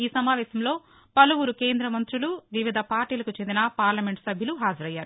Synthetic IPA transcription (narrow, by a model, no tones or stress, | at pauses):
iːsɐmaːʋɛːsɐmlo̞ː | pɐluʋuɾuke̞ːnd̪ɾɐmɐnt̪ɾuluʋiʋid̪ʱɐpaːɾʈiːlɐkut͡ʃe̞nd̪inɐpaːɾlɐme̞ɳʈsɐbʱjɐluɦaːd͡ʒɐɾɐjːaːɾu